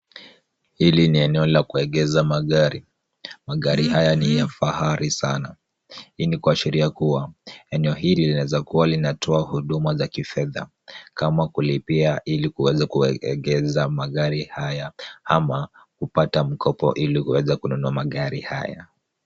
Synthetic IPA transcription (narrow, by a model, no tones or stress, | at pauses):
hiliniɛnɛɔlakuɛɠɛzamaɠaɾi | maɠaɾihajanijafahaɾisana | hinikuaʃiɾiakuwaɛnɛɔɦililinaɛzakuwalinatʰɔahuɗumazakifɛða̰ | kamakulipiaʔilikuwɛzakuɛ̰ɠɛzamaɠaɾihajahama | kupatam̩kʰɔpɔ̰ʔilihuwɛzakununuamaɠaɾiha̰ja̰